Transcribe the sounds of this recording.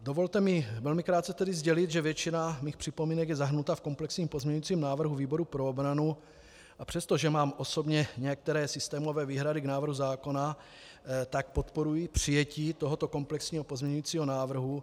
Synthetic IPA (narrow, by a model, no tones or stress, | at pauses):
dovo̞lt̪ɛmɪvɛlmɪkɾaːt̪t͡sɛt̪ɛdɪzɟɛlɪt̪ʒɛvjɛt͡ʃinamiːxpr̝̥ɪpo̞miːnɛɡjɛzaɦɾnut̪afko̞mplɛksɲiːmpo̞zmɲɛɲujiːt͡siːmnaːvr̩ɦuviːbo̞ɾupɾoobɾanu | ʔapr̥ɛst̪o̞ʒɛmaːmʔo̞so̞bɲɛɲɛjak̚t̪ɛɾɛːsɪst̪ɛːmo̞vɛːviːɦɾadɪɡnaːvr̩ɦuzaːko̞na | t̪ak̚po̞t̪po̞ɾujipr̝̥ɪjɛciːt̪oɦo̞t̪o̞ko̞mplɛksɲiːɦopozmɲɛɲujiːt͡siːɦo̞naːvr̩ɦu